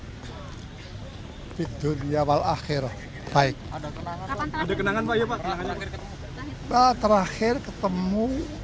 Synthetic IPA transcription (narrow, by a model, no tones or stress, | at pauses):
fid̪unijawala̰xɪr | b̥aɪk̚ | adakənaŋanpajapaʔkənaŋaa | bat̪əɾaxɪrkət̪əmu